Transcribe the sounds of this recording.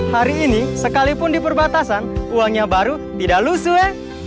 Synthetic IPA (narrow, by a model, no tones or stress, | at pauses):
haɾiːnisəkalipʊndipərbat̪asanuaŋɲabaɾu | t̪idaʔlusuɛ